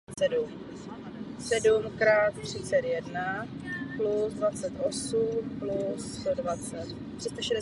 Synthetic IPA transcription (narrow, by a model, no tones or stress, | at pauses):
sɛdum | sɛdumkɾaːt̪t̪r̝̥ɪt͡sɛt̪jɛdnaplusdvat͡sɛt̪ʔo̞sumplust̪odvat͡sɛt̪ | t̪r̝̥ɪst̪aʃɛdɛ